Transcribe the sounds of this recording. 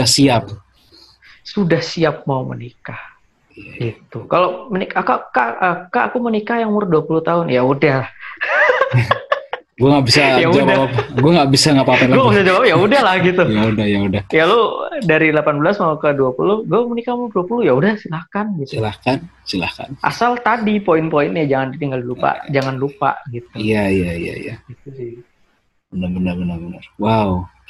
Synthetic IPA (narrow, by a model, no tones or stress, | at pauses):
asiap̚ | sudahsiap̚maumə̰nika | ɡit̪ukalomənikakakaakaːkumənikajaŋumʊrduapuluht̪aɦʊnjaudahlah | ɡuaŋaʔbisajaud͡ʒadapɡuaŋɡaʔbisaŋapapalɡaŋabisad͡ʒawapjaudalahɡit̪ujaudahjaudahjalodaɾilapanbəlasmakəduapulʊhɡuamənikamaduapulʊjaudahsilakanɡit̪uilakansilaka̰nʔa̰salt̪adipoɪnpoɪnjad͡ʒaŋanditiŋɡaldilupa̰d͡ʒaŋanlupa̰ʔɡit̪̚uijaijaḭa̰ḭjaɡ̥it̪̚usi | bənabənərbənərbənərwau